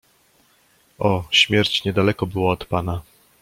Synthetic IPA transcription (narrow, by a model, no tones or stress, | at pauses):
ɔɕmʲjɛɾt͡ɕɲɛd̪alɛkɔbɘwɔːt̪pana